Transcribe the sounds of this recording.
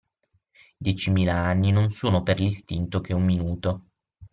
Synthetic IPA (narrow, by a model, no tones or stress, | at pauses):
d̪jɛt͡ʃimiːlaanːinonsoːnoperlist̪int̪ok̟eumːinuːt̪o